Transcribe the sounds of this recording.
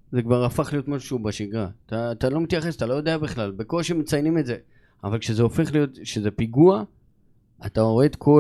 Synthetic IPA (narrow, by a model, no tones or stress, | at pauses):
zekvaʁafaχlijo̞t̪maʃu̥ʃeubaʃiɡʁat̪aːt̪alo̞mit̪jaχe̞sat̪alo̞jod̪e̞abiχlalbekoʃimet͡sajnime̞tze̞ | avalkʃezeofe̞χlijo̞tʃeze̞piɡua | at̪aoed̪kʰo̞